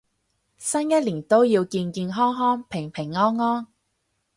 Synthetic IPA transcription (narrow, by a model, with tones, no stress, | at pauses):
sɐ˥njɐ˥t̚liː˨˩nt̪o˥wjiː˧wkiː˧nkiː˧nɦɔː˥ŋɦɔː˥ŋpʰɪ˨˩ŋpʰɪ˨˩ŋːɔː˥nːɔː˥n